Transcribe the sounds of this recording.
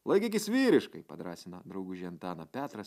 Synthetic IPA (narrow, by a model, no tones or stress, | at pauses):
lˠɐɪkʲɪkʲɪsʲʋʲiːɾʲɪʃkɐɪpɐd̪ɾɑ̰ːsʲɪnɐd̪ɾɐʊɡʊʒʲiɛnt̪ɑːnɐpʲæːt̪ɾɐs